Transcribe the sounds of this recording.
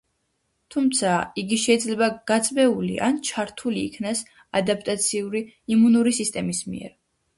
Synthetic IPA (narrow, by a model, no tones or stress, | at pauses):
t̪ʰumt̪sʰaiɡiʃɛid̪zlɛbaɡ̥at̪sʼbɛulḭʔa̰nt͡ʃʰaɾt̪ʰuliːkʰnas | ad̪ap̚ʰʼt̪ʼat̪sʰiuɾiimunuɾisist̪ʼɛmismḭɛ̰ɾ